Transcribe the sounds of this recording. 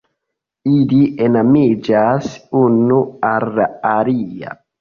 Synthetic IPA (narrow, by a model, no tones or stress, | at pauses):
iliʔenamid͡ʒasunualːaːɾia̰